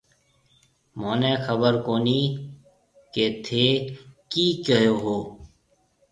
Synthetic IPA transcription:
moːneːxəbəɾkoːniː | ket̪ʰeːkiːkəjoːɦoː

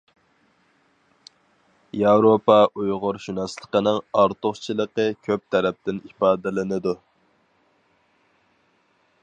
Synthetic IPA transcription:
jɑwɾopɑʔujʁʊɾʃunɑslˠə̥qənɨŋɑɾt̪ʊχt͡ʃʰilˠəqəkʲʰøp̚t̪ʰɛɾɛp̚t̪ɪnipɑːd̪ɪlɪnɨd̪u

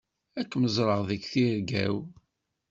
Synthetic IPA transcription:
ækːməzˤɾˤəʁðəkθiɾɡæ̰w

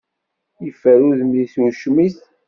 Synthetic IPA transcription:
jəfːəɾuðəmðiθuʃmiθ

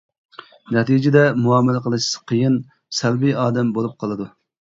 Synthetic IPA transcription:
nɛt̪id͡ʒɪd̪ɛmuɑːmɛlæqʰəlˠɨʃqʰəjin | sɛlbiɑːd̪ɛmbolˠup̚qʰɑlˠɨd̪u

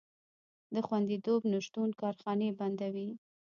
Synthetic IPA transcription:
d̪əxwand̪it̪obnʊʃt̪unkɑɾxɑneband̪awi

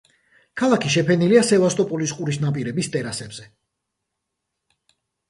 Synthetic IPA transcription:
kʰalˠakʰiʃɛpʰɛniliasɛvast̪ʼɔpʼɔlisqʼuɾisnapʼiɾɛbist̪ʼɛɾasɛbz̥ɛ

